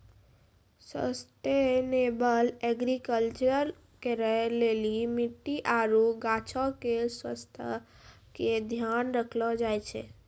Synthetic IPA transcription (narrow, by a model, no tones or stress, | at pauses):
sə̰sʈenebəlɛɡɾikəlt͡ʃəɾ | keɾəɦlelimiʈːiʔaɾuɡat͡ʃʰɔkeswə̰st̪ʰə̰ | ked̪ʱjanɾəkʰlɔd͡ʒajt͡ʃʰḛ